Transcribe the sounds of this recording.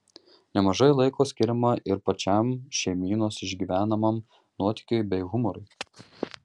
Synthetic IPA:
nʲɛmɐʒɐɪlˠɐɪkoːsʲkʲɪɾʲɪmɐʔɪɾpɐt͡ʃʲɛmʃʲɛɪmʲiːnoːsɪʒʲɡʲiːʋʲæːnɐmɐm | nuɔt̪ʲɪ̥kʲʊɪbʲɛɪɣʊmɔɾʊɪ

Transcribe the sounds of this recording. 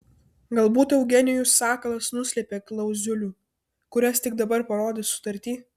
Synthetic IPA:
ɡɐlˠbuːt̪ɛʊɡʲɛnʲɪjusɑːkɐlˠɐsnʊsʲlʲɛpʲeːklˠɐʊzʲʊlʲuː | kʊɾʲɛst̪ʲɪɡd̪ɐbɐɾpɐɾoːd̪ʲesʊ̥t̪ɐɾʲt̪ʲiː

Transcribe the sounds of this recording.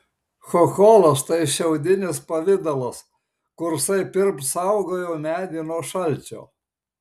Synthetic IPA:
xoxoːlˠɐst̪ɐɪʃʲɛʊd̪ʲɪnʲɪspɐʋʲɪd̪ɐlˠɐs | kʊɾsɐɪpʲɪɾpt̪sɐʊɡoːjɛʊmʲæːd̪ʲinoːʃɐlʲt͡ʃʲo̰ː

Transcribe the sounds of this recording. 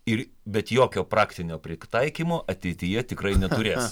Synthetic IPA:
ɪɾ | bʲɛt̪joːkʲoːpɾɑːkt̪ʲɪnʲoːpʲɾʲɪt̪ɐɪkʲiːmoːʔɐt̪ʲɛɪt̪ʲɪjɛt̪ʲɪkrɐɪnʲɛt̪ʊɾʲeːs

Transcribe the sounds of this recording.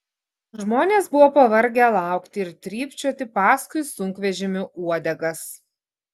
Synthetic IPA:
ʒmoːnʲeːsbʊʋoːpɐʋɐɾʲɡʲɛlˠɑˑʊkt̪ʲɪɪɾt̪ʲɾʲiːpʲt͡ʃʲuɔt̪ʲɪpɑːskʊɪsʊŋʲkʋʲɛʒʲɪmʲɪʔuɔd̪ʲɛɡɐs

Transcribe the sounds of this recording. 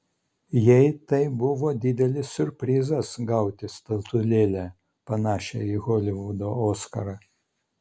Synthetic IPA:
jɛɪt̪ɐɪbʊʋoːd̪ʲɪd̪ʲɛlʲɪsʲʊɾʲpʲɾʲiːzɐsɡɐˑʊt̪ʲɪst̪ɐlˠt̪ʊlʲeːlʲæ | pɐnɑːʃʲɛ̰ɪɣɔlʲɪʋud̪ooːskɐɾɐ

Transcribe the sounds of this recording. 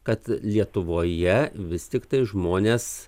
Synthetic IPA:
kɐt̪lʲiɛt̪ʊʋoːjɛʋʲɪst̪ʲɪkt̪ɐɪʒmoːnʲeːs

